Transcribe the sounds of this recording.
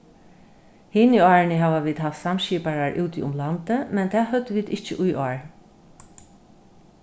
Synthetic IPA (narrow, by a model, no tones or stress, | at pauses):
hɪnɪɑːɹnɪɦɛːʋaʋiːd̪haft̪samʃiːpaɹaɹʔʉːwt̪iʊmlant̪əmɛnt̪ʰɛːɦœd̪ɪʋiːd̪ɪht͡ʃɪ̰ʔʊjʔɔːɹ